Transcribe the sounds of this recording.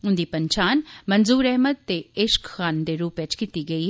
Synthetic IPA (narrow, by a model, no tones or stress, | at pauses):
ʊnd̪iːpəɲt͡ʃaːnmənzuːɾɛɦməd̪̚t̪eːɪʃkxaːnd̪eːɾuːpʋɪt͡ʃkiːt̪iːɡəiː